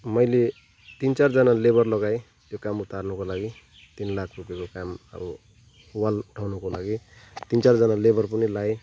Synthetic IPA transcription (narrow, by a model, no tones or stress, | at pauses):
mʌjle | t̪int͡sard͡zʌnalebʌrlʌɡaj | jokamut̪arnʌkolaɡi | t̪inlakʰrupjakokamʌ̰bu | walʈʰawnukolaɡit̪int͡saɾd͡zʌnalebʌrpʌnilaj